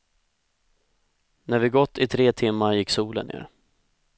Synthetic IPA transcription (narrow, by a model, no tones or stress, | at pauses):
næɾvɪɡɔt̪ːɪt̪ʰɾeːt̪ʰɪmːaɾjɪkːsuːlə̰nḛːɾ